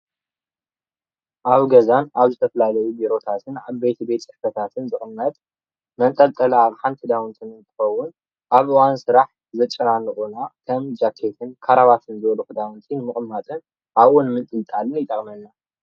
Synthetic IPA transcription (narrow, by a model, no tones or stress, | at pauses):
ʔaβɡɐzanaβzɨt̪ʰɐfɐlalɐjubiɾo̞t̪ʰat̪ʰɨnaβbe̞t̪ʰbet̪ʼsʼɨħfɐt̪ʰat̪ʰɨnzɨxʼɨmːɐt̪ʼ | mɐnt̪ʼɐlt̪ʼɐlɐaβħant̪ʰɨd̪awnt̪ʰinɨnt̪ʰɨ̥xɐwːʊn | ʔaβʔɨwansɨɾaħ | zɐt͡ʃʼːɐnanːɨxʼunakʰɐmd͡ʒakʰːet̪ʰɨnkʰaɾaβat̪ʰɨnzɨβlukɨd̪awnt̪ʰinmɨkʼɨmːat̪ʼɨn | ʔaβʔonmɨt̪ʼɨlt̪ʼalɨnjɪt̪ʼɐkʼmɐnːa